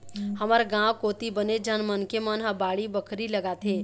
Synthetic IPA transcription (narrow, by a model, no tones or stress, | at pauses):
həməɾɡãkoːt̪ibəned͡ʒanmənkemənɦãbaːɽibəkʰɾiləɡat̪ʰɦe